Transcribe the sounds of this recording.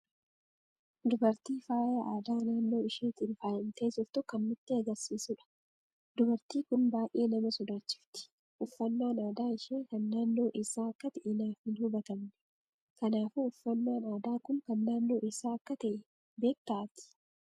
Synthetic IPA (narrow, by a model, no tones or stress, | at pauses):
d̪ʊbɐɾt̪iːfaːjɐʔaːd̪aːnaːnːo̞ːɪʃiːnt̪ɪnfaːjɪnt̪eːd͡ʒɪɾt̪ʊkɐnːʊt̪ːɪɐɡɐɾsiːsʊᶑɐ̥ | d̪ʊbɐɾt̪iːkʊnbaːjʔe̞ːnɐmɐsɔd̪aːt͡ʃːɪ̥ft̪ɪ̥ | ʔʊfːɐnːaːnaːd̪aːɪʃiːŋkɐnːaːnːo̞ːʔɪsaːɐkːɐt̪ɛʔɪnaːfhɪnhʊbɐt̪ɐmnɛ̥ | kɐnaːfuʊfːɐnːaːnaːd̪aːkʊŋkɐnːaːnːo̞ːʔɪsaːɐkːɐt̪ɛʔ | be̞ːk̚t̪aːt̪ɪ̥